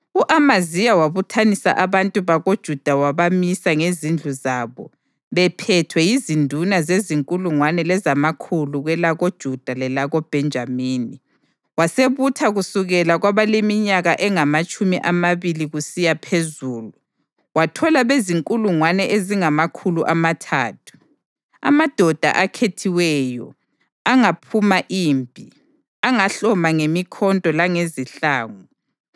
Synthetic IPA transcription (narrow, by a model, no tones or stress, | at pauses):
uʔamazijawaβutʰanisa̰ʔaβantʼuβaɣod̥ʒ̥ʱud̥ʱawaβamisaŋezind͡ɮʱuzaːβɔ | βɛpʰɛtʰwɛjizindʱunazeziŋkʼuluŋwanɛlɛzamakʰuluɣwɛlaɣod̥ʒ̥ʱud̥ʱalɛlaɣɔb̥ʱɛnd͡ʒʱamiːni | waseβutʰaɣusuɣɛlaɣwaβalemiɲaɣaʔɛŋamat͡ʃʼumiʔamaβiliɣusijapʰezuːlu | watʰɔlaβeziŋkʼuluŋwanɛʔeziŋamakʰuluʔamatʰaːtʰu̥ | a̰mad̥ʱɔd̥ʱa̰ʔakʰetʰiwɛːjɔ̰ | aŋapʰumaʔiːmbʱi | aŋaɬɔmaŋemikʰɔntʼɔlaŋeziɬaːŋu